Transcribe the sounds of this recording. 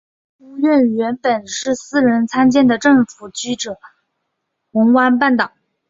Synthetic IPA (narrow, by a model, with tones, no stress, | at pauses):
u˥ɥɛ˥˩nɥɛ˧˥npə˨˩nʂɻ̩˥˩sɹ̩˥ɻə˧˥nt͡sʰa˥nt͡ɕjɛ˥˩nd̪ə˩ʈ͡ʂɤ˥˩ŋfu˨˩t͡ɕy˥ʈ͡ʂɤ˨˩˦ | xɤ˧˥ŋkwa˥npa˥˩nt̪ɑ˨˩˦